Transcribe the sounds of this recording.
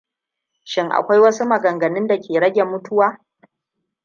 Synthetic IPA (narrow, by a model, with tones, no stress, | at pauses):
ʃɪ˦ŋʔa̰˨kʷa˦jwɐ˦su˦mɐ˨ɡɐ˨ŋɡɐ˨nɪ˦nda˨kʲeː˨ɽɐ˦ɡʲe˨mːʊ˦tʊ˦waː˦